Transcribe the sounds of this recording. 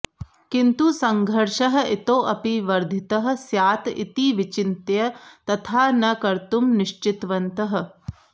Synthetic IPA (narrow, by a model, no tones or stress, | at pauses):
kint̪usɐŋɡʱɐɾʂɐɦɐ̆ʔit̪oːʔɐpiʋɐɾd̪ʱit̪ɐɦɐ̆sjaːt̪ḭt̪iʋit͡ʃint̪jɐt̪ɐt̪ʰaːnɐkɐɾt̪umniʃt͡ʃit̪ʋɐnt̪ɐɦɐ̆